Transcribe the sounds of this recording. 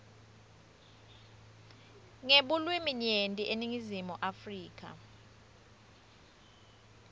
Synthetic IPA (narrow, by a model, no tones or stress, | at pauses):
ŋeɓulwimiɲentʼiʔeniŋizimuʔafriːk̬ʼa̰